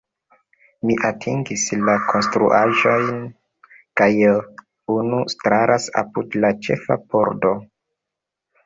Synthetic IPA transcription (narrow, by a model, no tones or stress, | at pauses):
miʔatʰiŋɡislakʰo̞nstɾṵʔaʒo̞jn | kaj | unustɾaɾʔasa̰pudlat͡ʃe̞̰fa̰poɾdo